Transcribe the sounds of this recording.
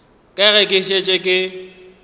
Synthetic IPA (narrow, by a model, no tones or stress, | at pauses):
kʼɛɣɛkʼɪʃet͡ʃʼekʼɪ